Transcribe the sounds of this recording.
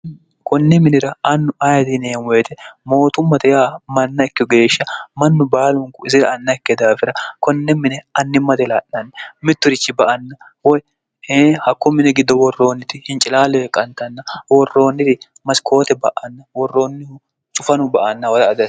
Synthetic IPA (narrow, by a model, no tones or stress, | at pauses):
kɔnːɛmɪnɪɾɐɐnːʊʔajɐd̪ɪnɛjɛnweːt̪ɛmo̞ːt̪ʊmːɐt̪ɛjaːmɐnːɐɪkːɪɔɡe̞ːʃːɐmɐnːʊbaːlʊŋkʊɪzɪd̪ɐːnːɐkːɛd̪aːfɪɾɐkɔnːɛmɪnɛɐnːɪmːɐt̪ɛlaːʔnɐnːɛmɪt̪ːʊɾɪt͡ʃːɪbɐʔɐnːɐ | wɔj | ehɐkːʊmɪnɛɡɪd̪ːɔwɔrːo̞ːnːɪt̪ɪhɪnt͡ʃʼɪlaːlɛjɛkʼɐnt̪ɐnːɐwɔrːo̞ːnːɪt̪ɪ | mɐskʰo̞ːt̪ɛbɐ̰ʔɐnːɐwɔrːo̞ːnːɪhʊ | t͡ʃʼʊfɐnʊbɐʔɐnːɐwɐd̪ɐːd̪ɐ